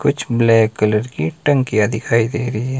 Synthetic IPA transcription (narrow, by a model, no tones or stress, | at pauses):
kʊt͡ʃʰblɛːkːələɾkiʈɐ̃ŋkːijad̪ɪkʰaːid̪eːɾəiɦɛː